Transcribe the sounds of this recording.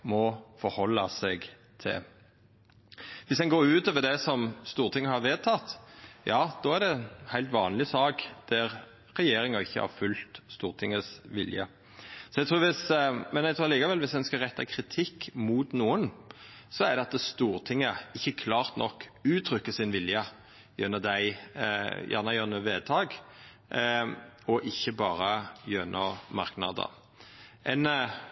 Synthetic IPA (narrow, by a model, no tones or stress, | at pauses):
mɔfɔɾhɔlːɑsɛɡ | t̪ʰɪ̰ | ʋɪsd̪ɛnɡoːɾʉːt̪oːʋəɾɖ̪ɛsɔmst̪uːɾt̪ʰɪŋːəhɑɾʋeːt̪ʰɑt̪jɑːd̪̥ɔæɖɛnhæɪlt̪ʋɑ̰ːnlɪsɑːkd̪̥æɾ | ɾɛjeːɾɪŋɑɪçːə̰hɑ̰ɾfʉlt̪st̪uːɾt̪ʰɪŋəsʋɪ̰ljə̰ | sɔɛɡt̪ʰɾuːɾʋɪsmɛnæt̪ʰuːɑliːkɑʋɛlʋɪsd̪ɛnskɑʁɛt̪ːɑkʰɾɪt̪ʰɪkːmʊt̪nuːən | sɔæʁd̪ɛɑt̪st̪uːɾt̪ʰɪŋːəɪçːəkʰlɑːʁt̪nʔɔkːʉːt̪ʰɾʏkːəsɪnʋɪljə | jœnəd̪æɪ | jæ̰ːʁnɑjœːnʉːəʋeːt̪ʰɑːɡ | ɔʔɪçːəbɑːɾəjœnʔəmɑɾknɑ̰d̪ə̰ | ʔɛn